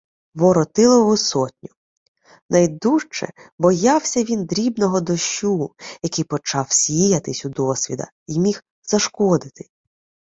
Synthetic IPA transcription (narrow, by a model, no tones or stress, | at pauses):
ʋɔɾɔt̪ɪlˠɔʋʊsɔtʲnʲʊ | nɐjd̪uʃt͡ʃɛ̰bɔjɑwsʲɐʋʲind̪ɾʲibnɔɦɔd̪ɔʃujɐkɪjpɔt͡ʃɑwsʲijɐt̪ɪsʲud̪ɔsʲʋʲḭd̪ɐ̰ | imʲix | z̥ɐʃkɔd̪ɪt̪ɪ̥